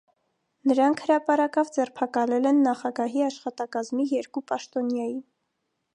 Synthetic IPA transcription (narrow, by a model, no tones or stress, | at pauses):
nəɾɑŋkʰhəɾɑpɑɾɑkɑvd͡zɛrpʰɑkɑlɛlɛnːɑχɑɡɑɦiɑʃχɑt̪ɑkɑzmijɛɾkupɑʃt̪ɔnjɑjin